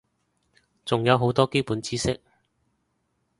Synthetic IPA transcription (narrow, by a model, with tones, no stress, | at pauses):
t͡sʊ˨ŋjɐ˨˧wɦo˨˥wt̪ɔː˥ke˥jpuː˨˥nt͡siː˥sɪ˥k̚